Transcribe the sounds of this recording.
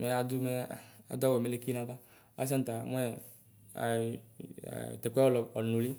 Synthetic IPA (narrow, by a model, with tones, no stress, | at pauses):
me˨a˨d̪u˦me˦˨a̰˨d̪ɔ˦we˨me˨le˨ki˦nã˦ɡa˦ | a̰˦s̬ã˦n˦t̪a˨m˦ɛ˦ | a̰˨ | t̪e˨kɛ˦wɔ˦lɔ˨ɔ˨nũ˨li˦